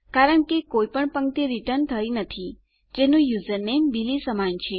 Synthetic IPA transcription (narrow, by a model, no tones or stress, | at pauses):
kaɾəɳkekojpəɳpəŋkt̪iɾiʈəɾɳt̪ʰəjnət̪ʰi | d͡ʒenũjuzəɾnembilisəmant͡ʃʰe